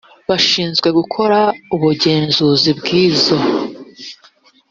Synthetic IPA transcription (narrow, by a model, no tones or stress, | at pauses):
βaʃiːnzɡwe̞ɡukʰo̞ɾauβuɟe̞ːnzuzibɡiːzo̞